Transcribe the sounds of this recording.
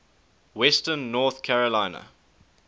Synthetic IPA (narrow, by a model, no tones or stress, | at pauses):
wɛstənːɔːˑθkʰæɹəlãɪnə̰